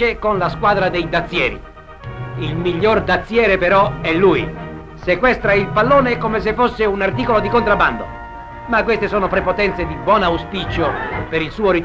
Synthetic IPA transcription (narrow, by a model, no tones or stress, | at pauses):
ekonlaskwaːd̪ɾad̪ejd̪at̪sːjɛːɾḭ | ilmiʎːord̪at̪sːjɛːɾepeɾɔɛlːuːji | sekwɛst̪ɾailpalːoːnekomes̬efːosːeunart̪iːkolod̪ikont̪ɾabːa̰nd̪o̰ | makːwest̪esoːnopɾepot̪ɛnt̪sed̪ibwɔːnauspit͡ʃopeɾilsuːoɾit̪